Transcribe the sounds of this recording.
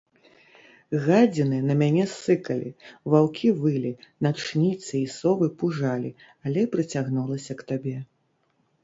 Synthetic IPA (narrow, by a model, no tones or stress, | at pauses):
ɣad͡zʲinɨnɐmʲanʲɛsːɨkɐlʲḭvawkʲʰivɨlʲinat͡ʂnʲit̪sɨisɔbɨpuʐalʲi | alʲɛpɾɨt͡sʲaɣnulˠɐsʲɐkt̪abʲɛ